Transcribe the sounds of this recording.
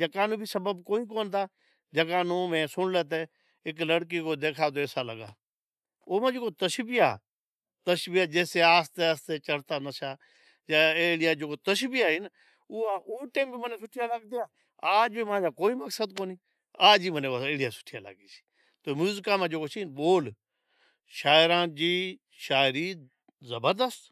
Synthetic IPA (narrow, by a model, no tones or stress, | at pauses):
d͡ʒəkaːnõːbʱiːsəbəbkoːiːkoːnt̪ʰaː | d͡ʒəkaːnõːmẽːsʊɳleːt̪̬eː | ɪkləɽk̬iːkoːd̪eːkʰaːt̪̬oːeːsaːləɡa̰ː | oːmãːd͡ʒeːkoːt̪əʃbɪja̰ː | t̪əʃbijaːd͡ʒeːseːaːst̪eːəst̪eːt͡ʃəɽt̪aːnəʃaː | jaːeːɽɪjaːd͡ʒoːkoːt̪əʃbɪjaːɦiːn | ʊːaːʔoːʈeːmbiːməneːsʊʈʰɪjaːləɡ̚d̪ɪjaː | aːd͡ʒbimãːd͡ʒaːkoːiːməksəd̪̚koːniː | aːd͡ʒiːmənẽːeːɽɪjaːsʊ̥ʈʰɪja̰ːla̰ɡiːsi̥ː | t̪oːmuːzkãːmãːd͡ʒoːkoːt͡ʃʰiːnɓoːl | ʃaːɪɾãːd͡ʒiː | ʃaːɪɾiː | zəbəɾd̪əst̪